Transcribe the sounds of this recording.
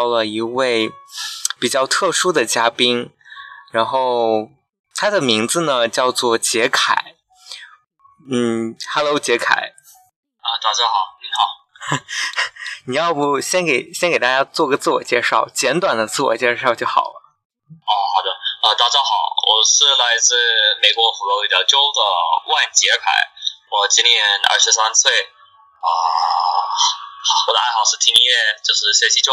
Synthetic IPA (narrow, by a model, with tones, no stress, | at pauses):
ʊlə˨i˧˥we˥˩ɪ | pi˨˩t͡ɕjɑ˥˧ʊt̪ʰɤ˥˩ʂu˥d̪ə˨t͡ɕja˥pi˥ŋɻa˧˥nxo˥˧ʊ | t̪ʰa˥d̪ə˨mi˧˥ŋd͡zɹ̩˧nə˩t͡ɕjɑ˥˧ʊt͡swɔ˥˩t͡ɕjɛ˧˥kʰa̰˨˩˦ɪ | n̩˥˩xa˥˩lo˧˥ʊt͡ɕjɛ˧˥kʰa̰˨˩˦ɪ | ə˧t̪a˨˩t͡ɕa˥xɑ˨˩ʊi˧˥ŋxɑ˨˩˦ʊ | ni˨˩jɑ˥˩ʊpu˥˩ɕjɛ˥nke˨˩ɪɕjɛ˥nke˨˩ɪt̪a˧t͡ɕja˥t͡swɔ˥˩ɡə˩t͡sɹ̩˥˩wɔ̰˨˩t͡ɕjɛ˥˧ʂɑ˥˩ʊt͡ɕjɛ˧˥nt̪wa˨˩nd̪ə˦t͡sɹ̩˥˩wɔ̰˨˩t͡ɕjɛ˥˧ʂɑ˥˧ʊt͡ɕjo˥˩ʊxɑ˨˩ʊlə˦ | ɔ˥˧xɑ˨˩ʊd̪ə˧ə˧t̪ɑ˨˩ʊʈ͡ʂɑ˥˩xɑ˨˩˦ʊwʔɔ̰˨˩ʂɻ̩˥˩la˧˥ɪt͡sɹ̩˥˩me˨˩ɪkwɔ˧˥xu˧˥lo˧˥i˧˥˩jɑ˧˩ʊt͡ɕjo˥ʊd̪ə˨wa˥˩nt͡ɕjɛ˧˥kʰa̰˨˩˦ɪwɔ˨˩t͡ɕi˥njɛ˥˩nɐ̰˥˧˩ʂɻ̩˧˥sa˥nsʰwe˥˩ɪ | ə˧˨˩ | wɔ˧d̪ə˧a˥˧ɪxɑ˨˩ʊʂɻ̩˥˩t̪ʰi˧˥ŋi˥jɛ˥˧t͡ɕjo˥˧ʂɻ̩˥˩ɕwe˥ɕi˧˥t͡ɕo˥